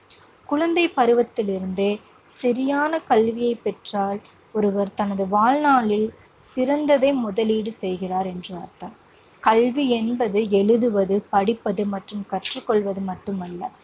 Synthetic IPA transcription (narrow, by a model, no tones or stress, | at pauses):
kʊɻɐnd̪ɐɪpɐɾɯʋɐt̪ːɪlɪɾɯnd̪eː | sɐɾɪjaːnɐkɐlʋɪjɐɪpːɛʈraːl | ɔɾɯʋɐɾt̪ɐnɐðɯʋaːlnaːlɪl | sɪɾɐnd̪ɐðɐɪmʊðɐliːɽɯsɛjɣɪraːɾɛndrɯɐ̰ɾt̪aː | kɐlʋiɛnbɐðɯɛɻɯðɯʋɐðɯpɐɽɪpːɐðɯmɐʈrɯmkɐʈrɯkːɔɭʋɐðɯmɐʈːɯmɐlːɐ